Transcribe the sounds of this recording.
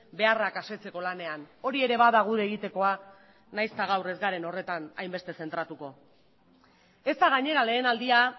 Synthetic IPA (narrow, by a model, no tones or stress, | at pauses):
be̞arakase̞t͡se̞ko̞lane̞ano̞ɾie̞ɾe̞βaðaɣ̞uðe̞ɣ̞it̪e̞ko̞a | najst̪aɣ̞awre̞zɡaɾe̞no̞re̞t̪ana̰jmbest̪e̞se̞nt̪ɾat̪uko̞ | e̞st̪aɣ̞aɲe̞ɾale̞ːnald̪ia